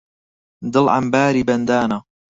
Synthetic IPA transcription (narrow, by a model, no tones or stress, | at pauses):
d̪ɨlʕa̰mbaːɾiːbɐnd̪aːna